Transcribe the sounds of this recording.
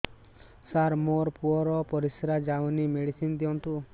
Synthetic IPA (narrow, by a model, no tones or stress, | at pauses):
saɾmoɾpuɔɾɔpɔɾisɾad͡ʒawnimeɽisind̪iɔnt̪u